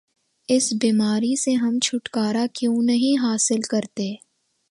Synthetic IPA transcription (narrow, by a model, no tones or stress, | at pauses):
ɪsbiːmaːɾiseɦɐmt͡ʃʰʊʈkaːɾakjũːnɐɦĩɦaːsɪlkɐɾt̪eː